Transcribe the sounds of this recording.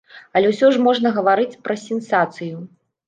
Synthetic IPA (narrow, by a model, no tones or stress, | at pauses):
ɐlʲɛwsʲɔʐmɔʐnɐɣɐvaɾɨt͡sʲpɾɐsʲɛnsat̪sɨju